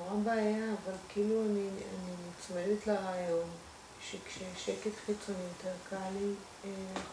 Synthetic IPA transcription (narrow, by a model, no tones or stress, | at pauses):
ʁabaːjaːvalkiːluania̰nimt͡smevetlaʁajom | ʃekʃeʃeketχit͡sonijot̪eʁkali